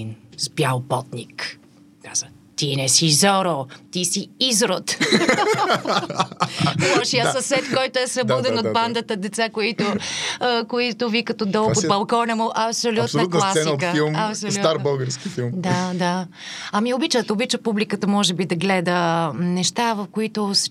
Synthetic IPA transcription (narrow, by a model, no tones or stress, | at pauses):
nspjalˠpɔt̪nik | kaz̥ə | t̪inɛsizɔɾot̪isiizɾot̪ | maʃiəssɐsɛt̪fkɔjt̪ʊɛsɐb̪ɔd̪ɛnot̪band̪ət̪əd̪ɛt̪sakoit̪ʊ | koit̪ʊvikət̪od̪ɔlˠpot̪bɐlˠkɔnɐmʊʔɐpsolʲut̪nɐut̪masɛkilˠmɐpsolsut̪aɾbəlˠɡəɾskifilˠmd̪ad̪a | ɐmiobit͡ʃət̪obit͡ʃəpublikət̪əmɔʒɛbid̪ɐɡlɛd̪ənɛʃt̪avɐfkoit̪ʊs